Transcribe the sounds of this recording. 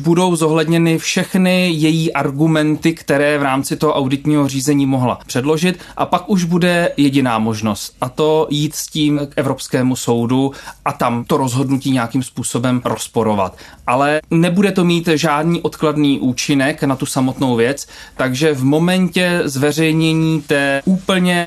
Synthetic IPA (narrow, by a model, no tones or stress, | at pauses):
budo̞wzo̞ɦlɛdɲɛnɪfʃɛxnɪjɛjiːʔaɾɡumɛnt̪ɪkt̪ɛɾɛːvɾaːmt͡sɪt̪oɦoʔawdɪt̪ɲiːɦo̞r̝iːzɛɲiːmoɦla̰pr̝̥ɛdlo̞ʒɪt̪̚ | ʔa̰pakuʒbudɛjɛɟɪnaːmo̞ʒno̞st̪ʔat̪o̞jiːt̪sciːmkʔɛvɾo̞pskɛːmuso̞wduʔat̪amt̪o̞ɾo̞zɦo̞dnuciːɲɛjakimspuːso̞bɛmɾo̞spo̞ɾo̞va̰t̪ʔalɛnɛbudɛt̪o̞miːt̪ʒaːdniːʔo̞t̪kladniːʔuːt͡ʃɪnɛknat̪usamo̞t̪no̞wvjɛt͡st̪aɡʒɛvmo̞mɛncɛzvɛr̝ɛjɲɛɲiːt̪ɛːʔuːpl̩ɲɛ